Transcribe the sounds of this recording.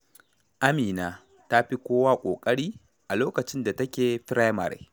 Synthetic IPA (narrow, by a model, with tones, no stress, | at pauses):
ʔa˦miː˨naː˨ | ta˦ɸi˦kʷoː˦waː˦kʷʼoː˨kʼɐ˦ɽiː˦ | ʔa˨loː˦kɐ˨t͡ʃɪ˦nda˨tɐ˦kʲeː˨ɸɪ˦ɾa˦jma˨ɾḛ˨˦